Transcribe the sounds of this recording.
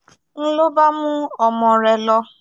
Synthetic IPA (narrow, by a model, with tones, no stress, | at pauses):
n̩˦lo˦ba˦mũ˦ɔ˨mɔ̃˨ɾɛ˨lɔ˧